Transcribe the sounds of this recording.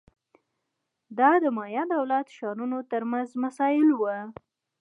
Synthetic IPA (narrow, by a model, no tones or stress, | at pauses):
d̪ɑd̪əmɑjɑd̪awlat̪ʃɑnunot̪əɾmanzmasɑjɪlwə